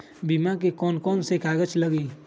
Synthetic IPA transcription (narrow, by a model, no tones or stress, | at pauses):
bimãkekɔːnkɔːnsekʰaːɡət͡ʃləɡiː